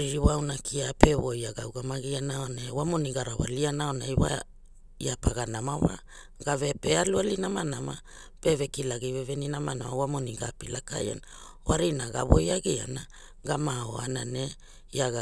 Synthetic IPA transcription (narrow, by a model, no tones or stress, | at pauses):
ɾiɾiwawnakʰiapʰe̞βo̞jaɡawɡamaɡianaonawamo̞niɡaɾawa̰lianaonaiwa̰ | iapaɡanamawa̰ | ɡave̞pealualinamanama | pevekilaɡiveveninamanamawamoniɡapilaka̰ja̰na | oaɾinaɡa̰βo̞̰jaɡia̰na | ɡamao̞̰a̰nane̞ | iaɡa